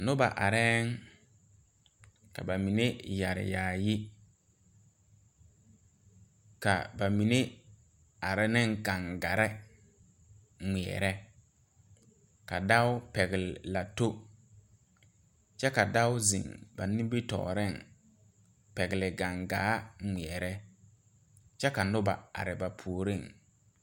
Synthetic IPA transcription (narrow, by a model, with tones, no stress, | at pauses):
nʊ˦ba̰˨ʔa̰˨ɾɛː˦ŋ | ka̰˨ba˨mi˨ne˦ja˨ɾɪ̰˨jaː˨jɪ˦ | ka̰˨ba˨mi˨ne˦ | a˨ɾɪ˦nɪ˦ŋka˨ŋɡa˨ɾɛ˦ | ŋi˨ɛ̰˨ɾɛ˦ | ka˨da˦wʊ˦pɛ˨ɡɪ˨lɪ˨la˨to˦ | t͡ʃɛ˦ka˨da˦ʊ˦zɪ̰˨ŋba˨nĩ˦m˦bi˦tɔ̰ː˨ɾɪ˦˨ŋ | pɛ˨ɡɪ˨lɪ˨ɡa˨ŋɡa̰ː˨˦ŋi˨ɛ˨ɾɛ˦ | t͡ʃɛ˦ka˨nʊ˦ba̰˨a̰˨ɾɪ˨ba˨pʰu˨ɾɪ˦˨ŋ